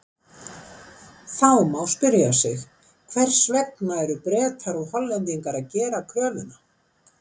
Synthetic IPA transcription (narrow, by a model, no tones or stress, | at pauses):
θawmawspɪɾjasɪx | kʰvɛr̥svɛk̚naɛɾʏpɾɛːt̪ʰaɾɔhɔlːɛnt̪iŋkaɾaðcɛːɾakʰœːvʏna